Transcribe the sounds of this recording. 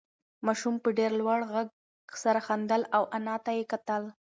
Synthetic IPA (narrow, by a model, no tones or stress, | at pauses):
mɑʃumpəɖeɾlwaɽɣaɡ | saɾaxand̪əlawʔanɑt̪ajekat̪əl